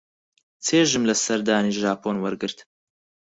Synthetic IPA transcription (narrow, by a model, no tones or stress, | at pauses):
t͡sʰeːʒɨmlɐsɐɾd̪aːniʒaːpʰoːnwɐɾɡɨɾt̪